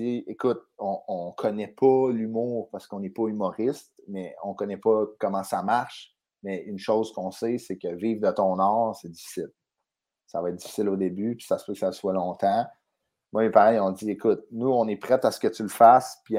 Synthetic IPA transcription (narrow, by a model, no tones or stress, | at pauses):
iekʊt̪̚ɔ̃ɔ̃kʰɔnɛpʰɔlymuːʁpaʁsə̥kɔ̃nɛpɔymɔʁɪst̪mɛɔ̃kɔnɛpɔkɔmɑ̃samaʁʃ | mɛynʃowzkɔ̃sɛsekʲəviːvd̪ət̪ɔ̃ːnɑːʁsɛdd͡zifi̥sɪl | savɑaɛt̪̚dd͡z̥i̥fi̥sɪlod̪ebypi̥sasføkə̥saswalɔ̃ːt̪ɑ̃ | mwamepaʁɛjɔ̃d͡ziekʊt̪̚nuɔ̃nɛpχɛt̪asə̥kət͡s̪ylfaspi